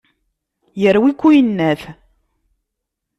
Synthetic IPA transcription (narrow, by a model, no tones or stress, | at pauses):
jəɾwikʷːujənːæθ